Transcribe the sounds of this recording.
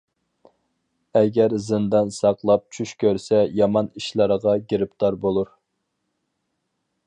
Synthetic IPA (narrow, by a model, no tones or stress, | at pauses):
ɛɡʲɛɾzɨnd̪ɑnsɑqlˠɑp̚t͡ʃʰyʃkʲøɾsɛjɑmɑniʃlˠɑɾəʁɑɡʲeɾɪp̚t̪ɑɾbolˠuɾ